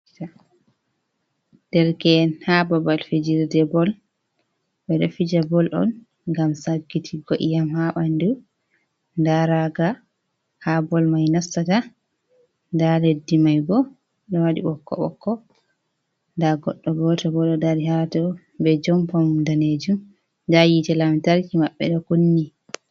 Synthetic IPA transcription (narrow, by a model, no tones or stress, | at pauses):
ta | d̥ɛɾkɛnhababalfid͡ʒiɾdɛbɔl | bɛɗɔfid͡ʒabɔlʔɔ̰n | ɡamsaɡːitʰiɡoʔijamhaɓandu | ndaɾaɡa | habɔlmajnasːata | ndaledːimajɡɔ | ɗɔwaɗḭɓɔkːɔ̰ɓɔ̰kːɔ | ndaɡɔɗːɔbɔtɔbɔɗɔdaɾihatɔ | bɛd͡ʒɔmpɔmdaned͡ʒum | dajitɛlamtaɾkimaɓːɛɗɔkunːi